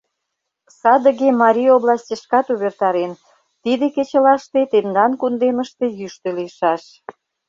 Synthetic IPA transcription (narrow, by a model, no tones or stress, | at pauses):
sɑd̪ə̆ɣemɑɾʲijoβlɑsʲtʲeʃkɑt̪uβert̪ɑɾen | t̪id̪eket͡ɕə̆lɑʃt̪et̪end̪ɑnkund̪eməʃt̪ejyʃt̪eliəʃɑʃ